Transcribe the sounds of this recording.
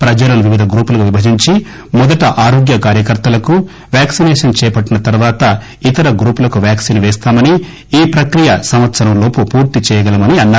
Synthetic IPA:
pɾɐd͡ʒɐlɐnuʋiʋid̪ʱɐɡɾuːpulɐkuʋibɐd͡ʒiɲt͡ʃi | mɔd̪ɐʈɐʔaːɾoːɡjɐkaːɾjɐkɐɾt̪ɐlɐku | ʋjaːksinɛːʂɐnt͡ʃɛːɐpɐʈːinɐt̪ɐɾʋaːt̪ɐ | it̪ɐɾɐɡɾuːpulɐkuʋjaːksinʋɛːst̪aːmɐni | iːpɾɐkɾijɐsɐmʋɐt̪sɐɾɐmlo̞ːpupuːɾt̪it͡ʃɛːjɐɡɐlɐmɐniɐnːaː

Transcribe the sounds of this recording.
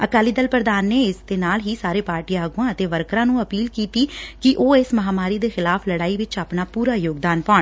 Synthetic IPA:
əkaːliːd̪əlpɾəd̪aːnːeːɪsd̪eːnaːlɦiːsaːɾeːpaːɾʈijãːəɡuːãːət̪eːʋəɾkɾãːnũːəpiːlkiːt̪iːkɪʔoːɪsməɦaːmaːɾiːd̪eːxɪlaːpʰləɽaːiːʋɪt͡ʃaːpnaːpuːɾaːjoːɡd̪aːnpãːɳ

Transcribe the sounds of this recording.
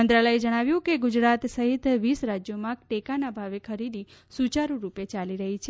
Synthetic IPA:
ənd̪ɾaləed͡ʒəɽ̃aʋjũkeɡʊd͡ʒɾat̪səɦit̪ʋisɾad͡ʒjomãʈekanabʱaʋekʰəɾid̪isut͡ʃaɾũɾupet͡ʃaliɾəɦit͡ʃʰe

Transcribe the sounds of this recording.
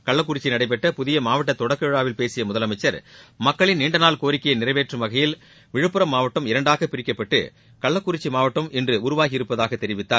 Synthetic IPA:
kɐɭːɐkːʊɾɪt͡ʃːinɐɽɐɪp̬ːɛʈːɐpʊðɪjɐmaːʋɐʈːɐt̪ːɔɽɐkːeɻaːʋɪlpeːsɪjɐmʊðɐlɐmɐɪt͡ʃːɐɾmɐkːɐɭɪnniːɳɖɐnaːlkoːɾɪkːɐjɐnɪrɐɪʋeːʈrɯmʋɐɣɐjɪl | ʋɪɻɯpːɯɾɐmːaːʋɐʈːɐmɪɾɐɳɖaːɣɐpːɪɾɪkːɐpːɐʈːɯ̰ | kɐɭːɐkːʊɾɪt͡ʃːimaːʋɐʈːɐmɛndrɯʊɾʊʋaːɣɪɪɾɯpːɐðaːɣɐt̪ːɛɾɪʋɪt̪ːaːɾ

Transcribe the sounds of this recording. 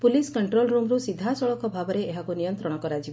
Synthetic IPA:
puliskɔɳʈɾolɾumɾusid̪ʱasɔɭɔkɔbʱabɔɾeːɦakunijɔnt̪ɾɔɽ̃ɔkɔɾad͡ʒib

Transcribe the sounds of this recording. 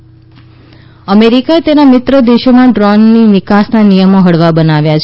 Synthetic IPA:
əmeɾikaet̪enamɪt̪ɾəd̪eʃomãɖɾɔnːiʋɪkasnanijəmoɦəɽʋabənaʋjat͡ʃʰe

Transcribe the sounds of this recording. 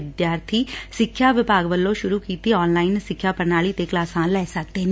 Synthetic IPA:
ɪd̪jaːɾt̪ʰiːsɪkʰːjaːʋɪpaːɡʋəlːõʃʊɾuːkiːt̪iɔːnlaːɪnsɪkʰːjaːpəɾnaːliːt̪eklaːsãːlɛːsək̚d̪e

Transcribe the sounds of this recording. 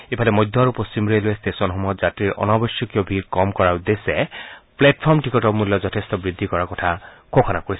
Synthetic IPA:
epʰalɛmɔjd̪ʱːɔaɹupost͡ɕimɹeloɛstesɔnɦɔmɔjɔtzatɹiɹʔɔ̰nabɔsjɔkjɔbʱiɹkɔmkɔɹaud̪esɛplɛt̚pʰɔɹmtʰikɔtɔmulːɔzɔtʰestɔbɹid̪ʱːikɔɹakɔtʰakʰokʰɔnakoɹisɛ

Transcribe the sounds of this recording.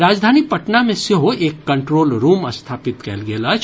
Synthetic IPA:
ɾaːd͡ʒd̪ʱaːnipɐʈnamẽseɦoeːkːɐ̃ɳʈɾoːlɾuːməst̪ʰaːpɪt̪kɛ̰lɡeːlat͡ʃ

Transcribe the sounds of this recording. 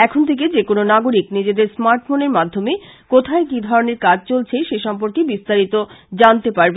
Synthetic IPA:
ɛkʰont̪ʰek̬ed͡ʑekononaɡoɾiknid͡ʑed̪eɾsmaɾʈfoneɾmad̪ʱːomekot̪ʰaekid̪ʱɔɾoneɾkad͡ʑt͡ɕolt͡ɕʰeʃeʃɔmp̬oɾkebist̪aɾit̪od͡ʑant̪epaɾbe

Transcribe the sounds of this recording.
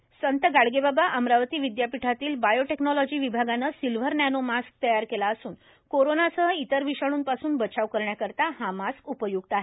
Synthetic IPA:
sənt̪əɡaɽɡebabaʔəmɾaʋt̪iːʋid̪japiʈʰat̪iːlbajoʈeknɔlɔd͡ʑiːʋibʱaɡanəsilʋ̤əɾnænomask̚t̪əjaɾkelaəsuːn | koɾonasəɦəit̪əɾʋiʂaɽ̃uːnpasuːnbət͡ɕaʋkəɾɳjakəɾt̪ahamaskupəjuɡ̚t̪aɦe

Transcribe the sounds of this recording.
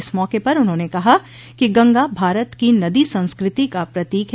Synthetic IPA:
smɔːkepɐɾʊnɦõːnekɐɦa | kiɡɐ̃ŋɡabʱaːɾət̪kinɐd̪isɐ̃nskɾɪt̪ikapɾɐt̪iːkɦ

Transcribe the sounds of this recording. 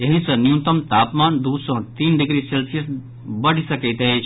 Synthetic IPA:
jɐɦĩsɐ̃njũnt̪ɐmt̪aːpmaːnd̪uːsõt̪iːnɖɪɡɾiselsiɐs | bɐɽ̤isɐket̪ɦet͡ʃʰ

